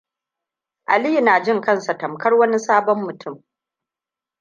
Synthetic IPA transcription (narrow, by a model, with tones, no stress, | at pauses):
ʔa˨li˦˨naː˨d͡ʒɪ˦ŋkɐ˦˨nsa˨tɐ˨mkɐ˦rwɐ˦ni˦saː˦bɔ˦mːʊ˨tʰʊ˦˨m